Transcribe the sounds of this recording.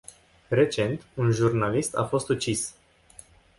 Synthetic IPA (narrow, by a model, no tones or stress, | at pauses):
re̞t͡ʃe̞nt̪unʒurnalist̪a̰fo̞st̪ut͡ʃis